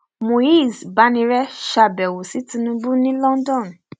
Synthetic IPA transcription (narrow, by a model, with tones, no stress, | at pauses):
mo˨i˦˨zba˨˦nĩ˧ɾɛ˦ʃa˧˨bɛ˨wo˨si˨˦tĩ˧nũ˧bu˦nĩ˦lɔ̃˦n˦dɔ̃˦˨n˨